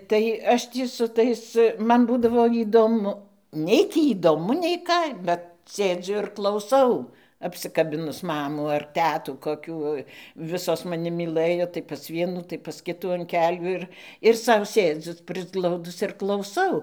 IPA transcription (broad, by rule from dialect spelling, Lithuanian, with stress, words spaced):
tɐɪ ˈɐʃ ˈtʲiː sʊ ˈtɐɪs ˈmɐn ˈbuːdɐʋoː iːdoːˈmʊ ˈnʲɛɪ tʲiː iːdoːˈmʊ nʲɛɪ ˈkɑː ˈbʲɛt ˈsʲeːd͡zʲʊ ɪr klˠɐʊˈsɐʊ ɐpʲsʲɪkɐˈbʲɪnʊs ˈmɑːmuː ɐr ˈtʲæːtuː koːˈkʲuː ˈʋʲɪsoːs mɐˈnʲɪ mʲiːˈlˠɘjoː tɐɪ pɐs ˈʋʲiɛnuː tɐɪ pɐs ˈkʲɪtuː ɐn ˈkʲæːlʲuː ɪr ɪr ˈsɐʊ ˈsʲeːd͡zʲʊ pʲrʲɪzˈɡlˠɐʊdʊs ɪr klˠɐʊˈsɐʊ